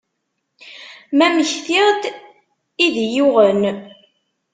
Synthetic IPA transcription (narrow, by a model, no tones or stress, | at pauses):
mæməçθiʁd̪ | iðjuʁən